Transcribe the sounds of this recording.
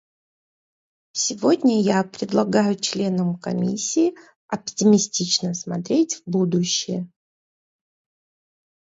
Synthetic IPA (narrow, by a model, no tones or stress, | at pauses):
sʲɪvo̞dʲnʲəjapɾʲɪd̪lˠɐɡajʊt͡ɕlʲe̞nəmkɐ̰mʲḭsʲːiː | ɐptʲɪmʲɪsʲtʲit͡ɕnəsmɐt̪ɾʲetʲvbud̪ʊɕːɪjə